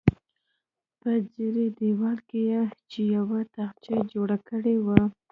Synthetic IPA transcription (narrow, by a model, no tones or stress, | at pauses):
pəd͡ziɾed̪ewɑlkejet͡ʃejawat̪axt͡ʃad͡ʒoɽakəɽewa